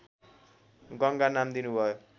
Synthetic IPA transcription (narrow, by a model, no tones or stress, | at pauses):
ɡʌŋɡanamd̪inubʱʌjo